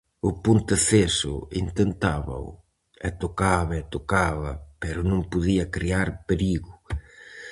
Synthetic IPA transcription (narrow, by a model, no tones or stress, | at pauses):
ʊpunt̪eθesʊ̰ḭnt̪ent̪aβɐ̰w̰ | ɛt̪ʊkaβɐɛt̪ʊkaβɐpɛɾʊnõŋpʊðiɐkɾiaɾpeɾiɣʊ